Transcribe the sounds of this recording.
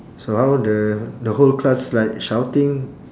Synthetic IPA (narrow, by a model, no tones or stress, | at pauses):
sohawdədəholklaslaɪk̚ʃawtĩŋ